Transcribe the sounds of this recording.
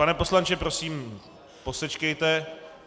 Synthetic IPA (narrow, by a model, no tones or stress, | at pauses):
panɛpo̞slant͡ʃɛpɾo̞siːm | po̞sɛt͡ʃkɛjt̪ɛ